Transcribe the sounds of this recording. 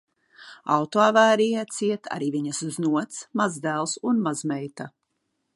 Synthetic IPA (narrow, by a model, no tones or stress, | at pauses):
a̰wt̪oavæːɾijat̪siɛt̪ʰa̰ɾiːviɲɐsuznuɔt̪smazd̪ælˠsunmazmɛjt̪a